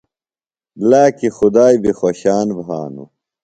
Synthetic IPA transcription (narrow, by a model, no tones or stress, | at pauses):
laːkixud̪aːjbixoɕaːnbʱɦa̰ːnṵ